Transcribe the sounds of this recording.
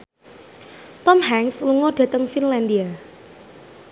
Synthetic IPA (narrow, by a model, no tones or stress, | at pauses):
t̪ɔmhɛŋsluŋoɖ̥a̤t̪əŋfinlandia